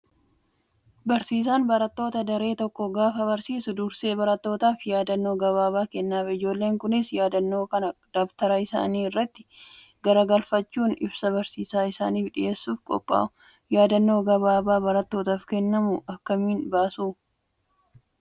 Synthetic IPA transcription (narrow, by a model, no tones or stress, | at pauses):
bɐɾsiːs̬aːnbɐɾɐt̪ːo̞ːt̪ɐd̪ɐɾe̞ːt̪ɔkːɔɡaːfɐβɐɾsiːsʊd̪uːɾse̞ːbɐɾɐt̪ːo̞ːt̪aːfjaːd̪ɐnːo̞ːɡɐβaːbaːkɛnːaːfɪd͡ʒo̞ːlːe̞ːŋkʊnɪsjaːd̪ɐnːo̞ːkɐnɐd̪̥ɐft̪ɐɾɐɪsa̰ːniːɪrːɐt̪ːɪ̥ | ɡɐɾɐɡɐlfɐt͡ʃːuːnɪbsɐbɐɾsiːsaːɪsa̰ːniːfᶑɪʔe̞ːsːuːfkʼɔ̰pʼːa̰ːʔʊ | jaːd̪ɐnːo̞ːɡɐβaːbaːbɐɾɐt̪ːo̞ːt̪aːfkɛnːɐmʊʔɐkːɐmiːnbaːsuː